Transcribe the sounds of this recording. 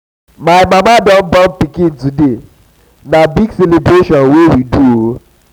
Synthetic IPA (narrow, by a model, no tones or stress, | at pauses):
maɪmamadɔm̩bɔm̩pikĩntude | nabiɡselebɾeʃɔnwewiduo